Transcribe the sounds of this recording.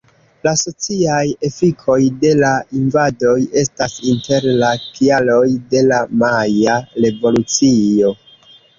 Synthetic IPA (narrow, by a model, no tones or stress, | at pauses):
laso̞t͡siaje̞fikʰo̞jde̞lainvado̞je̞stasinte̞ɾlakialo̞jde̞lamajaɾe̞vo̞lut͡sio̞